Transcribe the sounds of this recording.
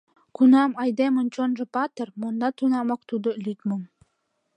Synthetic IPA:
kunɑmɑjd̪emŏnt͡ɕonʒɤ̆pɑt̪ɤ̆rmond̪ɑt̪unɑmɑkt̪ud̪ŏlʲyt̪mŏ

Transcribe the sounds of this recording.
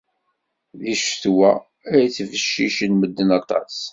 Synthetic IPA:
ðiʃθwæ | æɾθvəʃːiʃənməd̪ːənɑt̪ˤɑ̰s

